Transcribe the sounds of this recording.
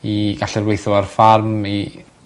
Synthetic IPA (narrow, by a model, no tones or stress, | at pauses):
iɡaɬɪrwejθʊarfarmi